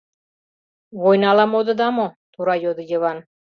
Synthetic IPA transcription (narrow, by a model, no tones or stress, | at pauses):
βojnɑlɑmod̪ɤ̆d̪ɑmot̪uɾɑjod̪ɤ̆jəβɑn